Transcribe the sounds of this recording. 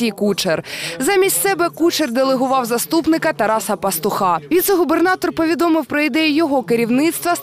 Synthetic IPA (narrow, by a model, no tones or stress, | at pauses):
ijkut͡ʃerzɑmʲisʲsɛbɛkut͡ʃerd̪elˠeɦʊʋɑwzɐst̪upnɪkɐt̪ɐɾɑsɐpɐst̪ʊxɑʋʲit̪sɛɦʊbernɑt̪ɔrpɔʋʲid̪ɔmɪwpɾɔid̪ɛjʊjɔɦɔkeɾʲiwnɪt̪st̪ʋɐ